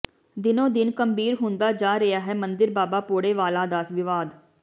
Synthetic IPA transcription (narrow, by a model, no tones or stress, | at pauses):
d̪ɪnõːd̪ɪnkəmbiːɾɦʊnd̪aːd͡ʒaːɾəjaːɦɛːmənd̪ɪɾbaːbaːpoːɽeːʋaːlaːd̪aːsʋɪʋaːd̪